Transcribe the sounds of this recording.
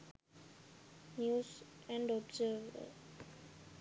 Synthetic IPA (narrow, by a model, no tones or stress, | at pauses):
njuːzɛ̃ɳɖɔbzəvə̰